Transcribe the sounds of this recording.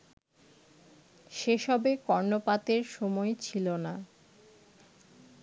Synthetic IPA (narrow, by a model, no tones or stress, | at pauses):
ʃeʃɔbekɔɾnopat̪eɾʃɔmɔet͡ɕʰilona